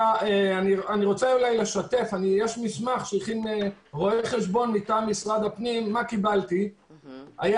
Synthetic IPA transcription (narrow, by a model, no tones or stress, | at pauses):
aeanianiʁo̞t͡saulajle̞ʃat̪e̞fanijeʃmismaχʃeχineʁo̞eχe̞ʃbo̞nːit̪amːisʁad̪apnimːakibalt̪i | aja